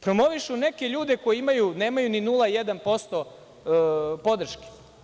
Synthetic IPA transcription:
pɾo̞mo̞ʋiʃune̞ke̞ʎuːd̪e̞ko̞jeimajune̞ːmajuninulˠajed̪anpo̞st̪o | po̞d̪r̩ʃke̥

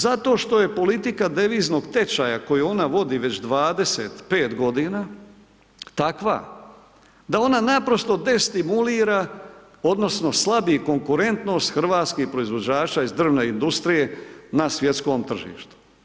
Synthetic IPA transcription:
zat̪o̞ːʃt̪o̞je̞po̞lit̪ikad̪e̞ʋiːzno̞ɡt̪e̞t͡ʃajako̞juo̞naʋo̞d̪iʋe̞t͡ɕd̪ʋaːd̪e̞set̪pe̞ːt̪ɡo̞d̪iːna | t̪akʋa̰ | d̪ao̞nanapɾo̞st̪o̞d̪e̞st̪imuliːɾa | o̞d̪no̞sno̞slˠabiiko̞ŋkuɾe̞nt̪no̞ːst̪xr̩ʋaːt̪skihpɾo̞izʋo̞d͡ʑaːt͡ʃaizd̪r̩ʋne̞ind̪ust̪ɾije̞nasʋje̞t̪sko̞ːmt̪r̩ʒḭːʃt̪u̥

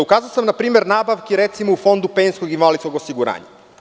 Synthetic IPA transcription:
ukaːzaosamnapɾiːme̞ɾnaːbaʋkiɾet̪simoufo̞nd̪upejnskoɡinʋalit̪skoɡo̞siɡuɾa̰ːɲa̰

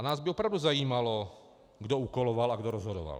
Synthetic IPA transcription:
naːzbiɔpɾawduzajiːmalo | ɡdɔukɔlɔʋalaɡdɔɾɔzɦɔdɔ̰ʋa̰l

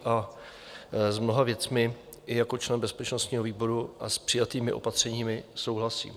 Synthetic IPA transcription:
ʔa | zmno̞ɦavjɛt͡smɪ | ʔɪjako̞t͡ʃlɛnbɛspɛt͡ʃno̞st̪ɲiːɦo̞viːbo̞ɾuʔaspr̝̥ɪjat̪iːmɪʔo̞̰pat̪r̝̥ɛɲiːmɪso̞wɦlasḭːm

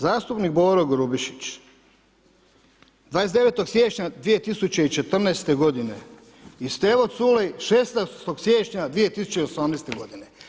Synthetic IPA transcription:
zaːst̪upnik̚boɾoɡɾubiʃi̥t͡ɕ | d̪ʋaːjesd̪e̞ʋet̪o̞ɡsjet͡ɕɲad̪ʋije̞t̪isut͡ɕeit͡ʃe̞t̪r̩nɛːst̪e̞ɡo̞d̪ine̞ | ist̪eʋot̪sulejʃesnast̪oɡsjeːt͡ɕɲad̪ʋije̞t̪isu̥t͡ɕeiosamnest̪eɡo̞d̪ine

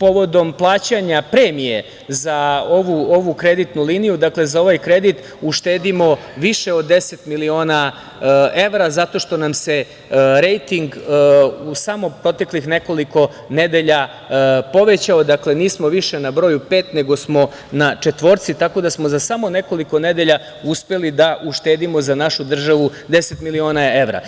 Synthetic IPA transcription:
po̞ʋo̞d̪o̞mplˠaːt͡ɕaɲapɾe̞ːmije̞ | zaoʋuo̞ʋukɾe̞d̪it̪nulinijud̪akle̞zao̞ʋajkɾe̞d̪it̪ | uʃt̪eːd̪imo̞ʋiʃe̞od̪ːese̞t̪milio̞ːna | ʔe̞ʋɾazat̪o̞ʃt̪o̞namse̞ | ɾe̞jt̪iŋɡ | usamo̞pɾo̞t̪e̞klixne̞ko̞liko̞ | ned̪e̞ʎa | po̞ʋe̞t͡ɕaod̪akle̞niːsmo̞ʋiʃe̞nabɾo̞jupe̞ːt̪ne̞ɡo̞smo̞ | nat͡ʂet̪ʋo̞ɾt̪sit̪ako̞d̪asmo̞zasamo̞ne̞ko̞liko̞ned̪e̞ʎa | uspe̞lid̪aʔuʃt̪eːd̪imo̞zanaʃud̪r̩ʒaʋud̪e̞se̞t̪milio̞ːnaeʋɾa̰

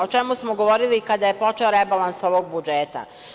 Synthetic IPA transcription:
o̞t͡ʃe̞musmoɡo̞ʋoɾilikad̪aje̞po̞t͡ʃeoɾebalanso̞ʋoɡ̚bud͡ʒeːt̪a̰

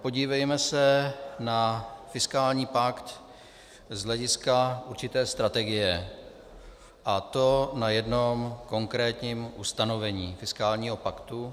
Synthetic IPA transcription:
po̞ɟiːvɛjmɛsɛnafɪskaːlɲiːpakt̪ | zɦlɛɟɪskauɾt͡ʃɪt̪ɛːst̪ɾat̪ɛɡɪjɛ | ʔat̪o̞najɛdno̞mko̞ŋkɾɛːt̪ɲiːmʔust̪ano̞vɛɲiːfɪskaːlɲiːɦo̞pakt̪u

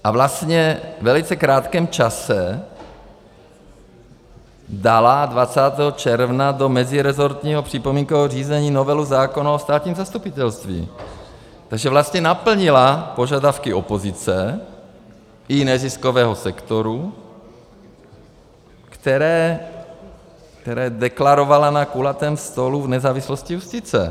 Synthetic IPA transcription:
ʔavlast̪ɲɛvɛlit͡sɛkɾaːt̪kɛːmt͡ʃasɛ | d̪aladvat͡saːt̪ɛːɦɔt͡ʃɛɾvnad̪omɛziɾɛzoɾt̪ɲiːɦopr̥ipomiːŋkovɔriːzɛɲiːnovɛluzaːkonaost̪aːt̪ɲiːmzast̪upit̪ɛlst̪vḭː | t̪aɡʒɛvlast̪ɲɛnapl̩ɲilapo̞ʒadafkiopozɪt͡sɛ | inɛziskovɛːɦosɛkt̪oɾu | kt̪ɛɾɛː | kt̪ɛɾɛːdɛklaɾovalanakulat̪ɛːmst̪oluvnɛzaːvislosciuscɪt͡sɛ̰

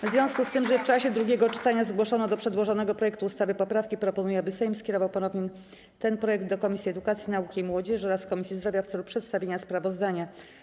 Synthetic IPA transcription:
vzvʲjɔ̃w̃skust̪ɘmʐɛft͡ʂaɕɛd̪ɾuɡʲɛɡɔt͡ʂɘ̥t̪aɲazɡwɔʂɔnɔd̪ɔpʂɛd̪wɔʐɔnɛɡɔpɾɔjɛkt̪uːst̪avɘpɔpɾafkʲipɾɔpɔnujɛabɘsɛjmskʲɛɾɔvawpɔnɔvɲim | t̪ɛnpɾɔjɛɡ̚d̪d̪ɔkɔmʲisʲjiɛd̪ukat̪sʲjinaukʲimwɔd͡ʑɛʂɔɾaskɔmʲisʲjizd̪ɾɔvʲjaft̪sɛlupʂɛt̪st̪avʲjeɲaspɾavɔzd̪aɲa

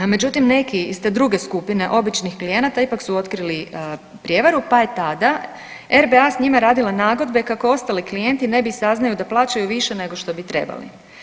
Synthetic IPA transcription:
me̞d͡ʑut̪imne̞kist̪ed̪ɾuɡe̞skupine̞ʔo̞bit͡ʃnixklije̞nat̪aipaksuo̞t̪kɾili | pɾʲje̞ʋaɾupaet̪ad̪a | e̞ɾbe̞asɲimaɾaːd̪ilanaːɡo̞d̪be̞kako̞o̞st̪aliklije̞nt̪ine̞bisaznajud̪aplˠaːt͡ɕajuʋiʃe̞ne̞ɡo̞ʃt̪obit̪ɾe̞̰ba̰lḭ

